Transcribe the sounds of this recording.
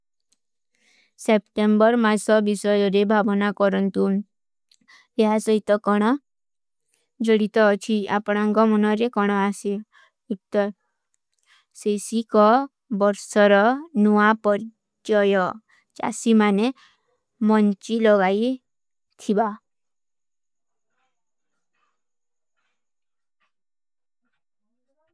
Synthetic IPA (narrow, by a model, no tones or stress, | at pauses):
sepʈembɔɾmasɔbisɔjɔɾebʱabɔnakɔɾɔnt̪u | eɦasɔɦit̪ɔkɔɽ̃ɔ | d͡ʒɔɽit̪ɔːt͡ʃʰiapɔɽ̃aŋkɔmɔnɔɾekɔɽ̃ɔasi | ut̪ːɔɾ | sesikɔ | bɔɾsɔɾɔnuapɔɾ | d͡ʒɔjɔ | t͡ʃa̰simane | mɔnt͡ʃilɔɡaj | t̪ʰiba